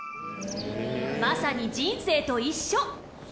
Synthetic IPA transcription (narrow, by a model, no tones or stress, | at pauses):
masaɲid͡ʑĩnse̞ːt̪o̞iɕːo